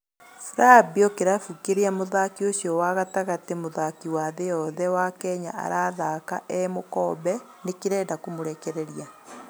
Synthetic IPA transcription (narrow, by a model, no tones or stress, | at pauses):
fɾabiɔkeɾafukeɾeamoðakiosjɔwaɣataɣatemoðakiwaðejɔðɛwakɛɲa̰ʔa̰ɾaːðaːka̰ʔɛmokɔːbɛ | nekeɾɛːdakomoɾɛkɛɾɛɾia